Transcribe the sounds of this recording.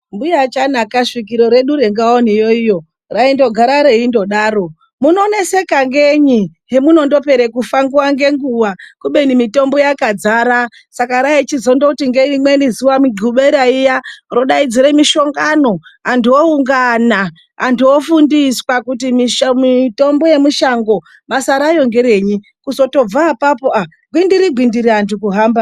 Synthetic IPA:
mbujat͡ʃanakaʂik̬iɾo̞ɾe̞ɗuɾeŋɡaonijo̞ijo̞ | raindo̞ɡʱaɾaɾeindo̞ɗaːɾo̞ | muno̞ne̞se̞kaŋɡeɲiɦemuno̞ndo̞pe̞ɾekufaŋɡuwaŋɡe̞ŋɡuʋakuɓe̞nimito̞mbo̞jakad͡zaɾa | sakaɾait͡ʃizo̞ndokutiŋɡeimwenizuwamiɡʱuɓeɾaijaroɗaid͡ziɾemiʃo̞ŋɡano̞antuouŋɡana | antuofundiswakutimimito̞mbo̞je̞muʃaŋɡo̞ | masaɾajo̞ŋɡe̞ɾe̞ːɲi | kuzoto̞b͡vaːpapoʔa | ɡʱwindiɾiɡʱwindiɾiantukuɦaːmba

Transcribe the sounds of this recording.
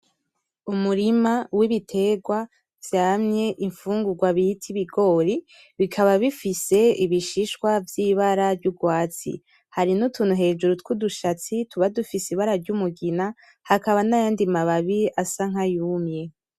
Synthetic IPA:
umuɾimawiβitʰe̞ɡwa | v̥jamɲe̞ʔiɱfuːŋɡuɡwaβihitʰiβiɡo̞ːɾi | βikʰaβaβifise̞iβiʃiʃkwavjiːβaɾavɟuɡwaːt͡sḭ | haɾinutʰuːnuɦe̞ːd͡ʒuɾutwuduʃat͡sitʰuβadufisiβaɾaɾɟumuɡina | hakaβanajaːndimaβaβiasaŋ̥ɦajuːmje̞

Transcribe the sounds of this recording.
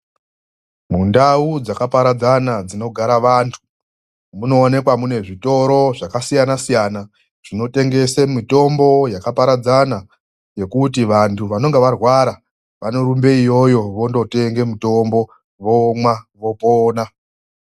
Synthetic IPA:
mundaud͡zakapaɾad͡zanad͡zino̞ɡʱaɾaʋaːntʰu̥ | muno̞ːne̞kwamune̞ʐito̞ɾo̞ʐakasijanasijana | ʐ̥ino̞te̞ŋɡe̞semito̞mbo̞jakapaɾad͡zana | je̞kutiʋantʰuʋano̞ŋɡeʋarwaɾa | ʋanoɾumbe̞ijo̞jo̞ʋo̞ndo̞te̞ŋɡe̞muto̞mbo̞ | ʋo̞mwaʋo̞poːna

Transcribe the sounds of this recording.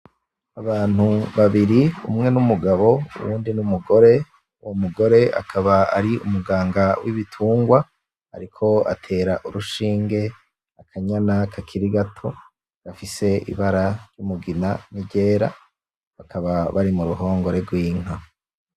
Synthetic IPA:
aβaːn̥huβaβiɾiṵmŋe̞numuɡaβo̞ṵwṵːndinumuɡo̞ɾe̞ | uwo̞muɡo̞ɾe̞a̰kʰaβaa̰ɾiumuɡaːŋɡawiβitʰuːŋɡwa | a̰ɾikʰo̞a̰tʰe̞ːɾaʔuɾuʃiːŋɡe̞ | akʰaɲanakʰakʰiɾiɡatʰo̞ | ɾafise̞ḭβaɾaɾjumuɡinaniɟe̞ːɾa̰ | βakʰaβaβaɾimuɾuɦo̞ːŋɡo̞ɾe̞ɡwiːŋ̥a

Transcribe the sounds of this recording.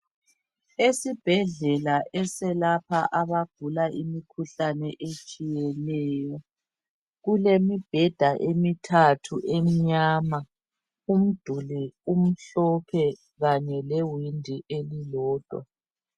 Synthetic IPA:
esib̥ʱɛɮɛlaʔɛsɛlapʰaʔaβaɡ̥̚ʱulaʔimikʰuɬanɛʔet͡ʃʼijɛlɛjɔ | ɣulemib̥ʱɛd̥ʱaʔemitʰatʰuʔem̩ɲaːma | um̩d̥ʱulɛum̩ɬɔpʰɛ | ɣaɲɛlewindʱiʔelilɔːd̥ʱwa̰

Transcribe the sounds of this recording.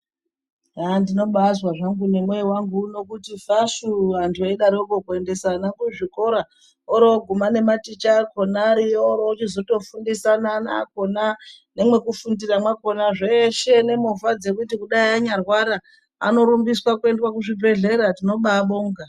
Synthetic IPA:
andino̞ɓazwaʐaŋɡune̞mwewaŋɡuno̞kutifasuantʰueɗaɾiokokue̞nde̞sanakuʐiko̞ɾa | oɾooɡʱumane̞matit͡ʃakʰo̞naɾijoɾoot͡ʃizo̞to̞fundisanana̰ko̞nane̞mwe̞kufundiramwako̞naʐeʃe̞ne̞muvad͡ze̞k̬ut̬ikuɗaiaɲarwaɾa | a̰no̞ɾumbiswakue̞ndwakuʐibʱe̞ɮe̞ɾatino̞ɓaɓoːŋɡa

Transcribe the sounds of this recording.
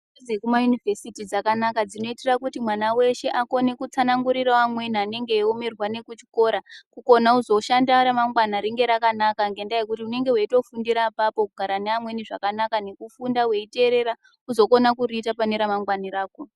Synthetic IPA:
zekumajunivesitid͡zakanakad͡zino̞itirakutimwanawe̞ʃe̞ʔako̞ne̞kut͡sanaŋɡuɾiraʋamwe̞niane̞ŋɡe̞ːome̞rwane̞kut͡ʃi̥ko̞ɾakuko̞nauzo̞ʃandaɾamaŋɡwanaɾiŋɡe̞ɾakanakaŋɡe̞ndajekutiune̞ŋɡe̞ɦweito̞fundiɾapapo̞kuɡʱaɾaneamwe̞niʐakanakane̞kufundawe̞ite̞ɾe̞ɾa | uzo̞ko̞nakuɾiːtapane̞ɾamaŋɡwaniɾaːko

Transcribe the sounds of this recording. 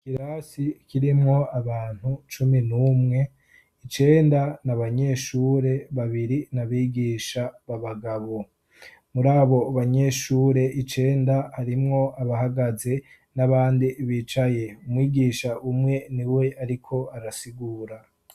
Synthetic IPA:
kiɾasikʰiɾimŋo̞aβaːn̥hut͡ʃuminuːmŋe̞ | it͡ʃe̞ːndanaβaɲe̞ʃuːɾe̞βaβiɾinaβiːɡiːʃaβaβaɡaβo̞ | muɾaːβo̞βaɲe̞ʃuːɾe̞ʔit͡ʃe̞ːndahaɾimŋo̞aβaɦaɡaze̞ | naβaːndiβiːt͡ʃaje̞umwiːɡiːʃaʔumŋe̞niwe̞ʔaɾikʰo̞aɾasiɡuːɾa

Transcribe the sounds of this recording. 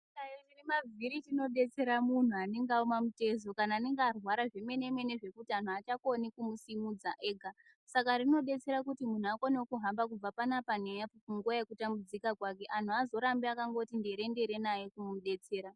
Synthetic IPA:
ajirimavʱiɾitino̞ɗe̞t͡se̞ɾamun̤uaneŋɡaomamute̞zo̞kanaːne̞ŋɡarwaɾaʐe̞me̞ne̞me̞ne̞ʐe̞kutian̤uat͡ʃakonikumusimud͡zaʔe̞ːɡʱa | sakaɾino̞ɗe̞t͡se̞ɾakutimun̤uakonewokuɦambak̬ub͡vapanapanejauŋɡuajekutambud͡zikakwake̞ʔan̤uazo̞ɾambiakaŋɡo̞tindeɾe̞ndeɾe̞najekumumɗe̞t͡se̞ːɾa

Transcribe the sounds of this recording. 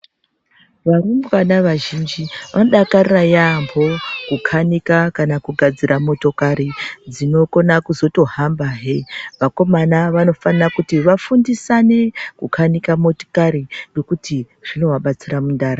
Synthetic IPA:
ʋarumbʋanaʋaʒind͡ʒiʋano̞ɗakarirajambo̞kukʰanikakanakuɡʱad͡zirʔamo̞to̞kaɾid͡zino̞ko̞nakuzo̞to̞ɦambaɦeʋako̞manaʋano̞fanirakutiʋafundisane̞kukʰanikamo̞to̥kaɾinɡo̞kuti | ʐ̥ino̞waɓat͡siramundaːɾa

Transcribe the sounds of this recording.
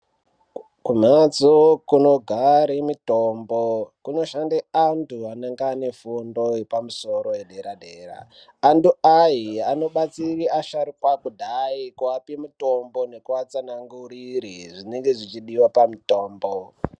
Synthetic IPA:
kumat͡sokuno̞ɡʱaɾemitombokuno̞ʃandeantʰuanaŋɡane̞fundo̞epamuso̞ɾo̞jeɗe̞ɾaɗeːra̰ː | ntuaiano̞ɓat͡siriaʃaɾikwakudʱaikuapimutombo̞ne̞kuat͡sanaŋɡurirḭʐine̞ŋɡe̞ʐit͡ʃiɗiwapamitoːmbo

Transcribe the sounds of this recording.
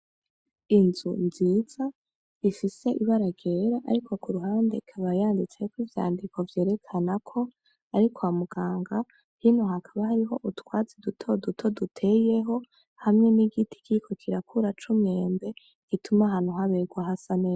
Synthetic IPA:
inzunziːz̥a | ifise̞ʔiβaɾaɡeɾaʔa̰ɾikʰo̞kuɾuɦaːnde̞kʰaβajaːndit͡se̞kwivja̰ːndiko̞vje̞ːɾe̞kʰanakʰo̞ | aɾikʰwamuɡ̥aːŋɡa | hinohakʰaβahaɾiɦo̞ʔutwaːzidutʰo̞dutʰo̞dutʰe̞je̞ɦo̞ | hamŋe̞niɡitʰi̥kʰikʰo̞kʰiɾakʰuɾat͡ʃumɲe̞ːmbe̞ | ɡ̥itʰumaɦan̥huɦaβeɡwaɦasane̞ːza

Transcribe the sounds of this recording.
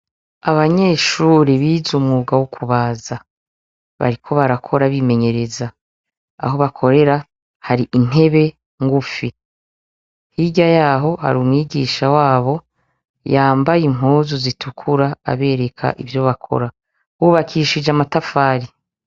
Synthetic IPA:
aβaɲe̞ːʃuːɾiβiːzumuɡawukʰuβaːza | βa̰ɾikʰo̞βaɾakʰo̞ɾaβime̞ɲe̞ɾe̞za | a̰ɦo̞βakʰo̞ɾe̞ɾa | haɾiʔin̥e̞βe̞ | ŋɡufi | hiɟajaːɦo̞ha̰ɾuːmŋiːɡiːʃawaːβo̞ | jaːmbajimuːzuzitʰukʰuɾaa̰βe̞ːɾe̞kʰa̰ʔivjo̞βakʰo̞̰ɾa | uβakʰiːʃid͡ʒamatafaːɾi

